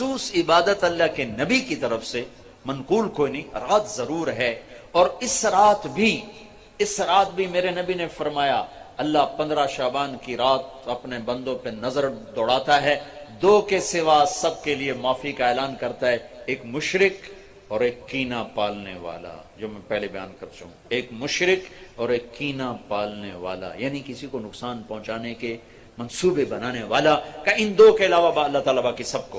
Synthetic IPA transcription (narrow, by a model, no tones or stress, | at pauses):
suːsɪbaːd̪ət̪ɐlːaɦkenɐbikit̪ɐɾəfse | mɐnquːlkoːinɐĩɾaːt̪zɐɾuːɾɦɛ | ɔːɾɪsɾaːt̪bʱi | ɪsɾaːt̪̚bʱimeːɾenɐbinefɐɾmaːjaɐlːapɐ̃nd̪ɾaʃaːbaːnkiɾaːt̪̚ | ɐpnebɐ̃nd̪õpenɐzəɾd̪ɔːɽaːt̪aɦɛd̪oːkesɪʋasɐb̚keliemaːfikaeːlaːnkɐɾt̪aɦɛeːkmʊʃɾɪk | ɔːɾeːkːiːnapaːlneʋa̰ːla̰d͡ʒoːmɛ̃ːpɛɦlebɐja̰ːnkɐɾt͡ʃɐɦũːeːkmʊʃɾɪkɔːɾeːkːiːnapaːlneʋa̰ːla̰jaːnikɪsikonʊksaːnpɐ̃ɦʊ̃t͡ʃaːneke | mɐnsuːbebɐnaːneʋaːlakaɪnd̪oːkeɪlaːʋabaɐlːat̪aːlabaːkːisɐb̚ko